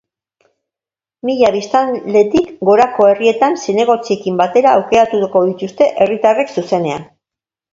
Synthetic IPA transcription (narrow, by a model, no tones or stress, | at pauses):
miʎaβist̪anle̞t̪ikɡo̞ɾako̞e̞rie̞t̪ansene̞ɣ̞o̞t͡sie̞kimbat̪e̞ɾaːwke̞ɾat̪uko̞ðit̪ust̪e̞ʔe̞rit̪are̞ksuse̞ne̞an